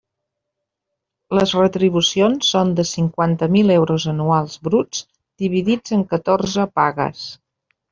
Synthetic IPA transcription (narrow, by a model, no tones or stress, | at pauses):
ləzrət̪ɾiβ̞usionsːond̪əsiŋkwant̪əmilɛwɾozənualˠzbɾud͡z | d̪iβ̞iðid͡zəŋkət̪oɾzəpaɣə̰s